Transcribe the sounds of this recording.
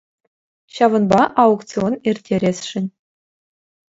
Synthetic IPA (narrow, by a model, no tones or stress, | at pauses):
ɕɑvɤ̆nbɑʔɑuktt͡sionerʲtʲʰːeɾʲesʲʂɘ̆nʲ